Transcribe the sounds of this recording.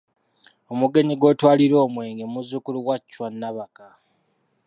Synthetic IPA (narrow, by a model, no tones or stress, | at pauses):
o̞muɡe̞ɲiɡo̞ːtwaːliɾo̞ːmwe̞ːŋɡemuzukuluwacːwanːaβaka